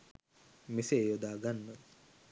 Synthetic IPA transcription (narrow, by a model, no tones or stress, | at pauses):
misejod̪aːɡanːə